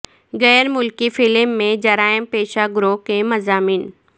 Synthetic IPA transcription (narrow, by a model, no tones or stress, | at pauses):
ɣɛːɾmʊlkifɪlmːẽd͡ʑɐɾaːɪmpeːʃaɡʊɾoːkẽmɐzaːmiːn